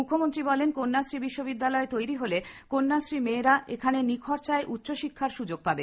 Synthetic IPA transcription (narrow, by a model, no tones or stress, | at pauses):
ukʰːomont̪ɾibɔlenkonːasɾibiʃːobid̪ːalɔet̪ojɾiɦolekonːasɾimeːɾaekʰanenikʰɔɾt͡ɕaeʔutːɕoʃikʰːaɾʃud͡ʑoɡ̚pabe